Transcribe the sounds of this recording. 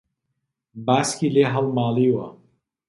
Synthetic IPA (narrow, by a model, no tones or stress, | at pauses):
baːskileɦɐlmaːliwa̰